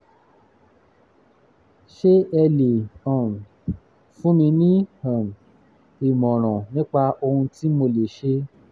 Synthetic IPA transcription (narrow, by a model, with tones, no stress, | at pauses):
ʃe˦ɛ˧le˨ɔ̃˨n˨ | fũ˦mĩ˧nĩ˦hã˨n˨ | i˨mɔ̃˨ɾ̃ɔ̃˨nĩ˦k͡pa˧o˧hũ˧ti˦mo˧le˨ʃe˦